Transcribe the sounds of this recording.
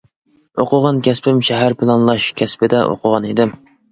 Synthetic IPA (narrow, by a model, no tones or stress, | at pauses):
oqʰəʁɑnkʲʰɛspʰɪmʃɛɦæɾpʰɪlˠɑnlˠɑʃkʲʰɛspɪd̪ɛʔo̰qʰəʁɑned̪ɪm